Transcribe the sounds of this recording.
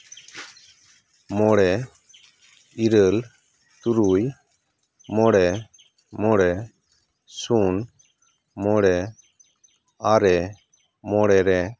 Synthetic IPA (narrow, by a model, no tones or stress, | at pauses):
mɔɽɛ | iɾəl | t̪uɾuj | mɔɽɛ | mɔɽɛ | sun | mɔɽɛ | aɾɛ | mɔɽɛɾɛ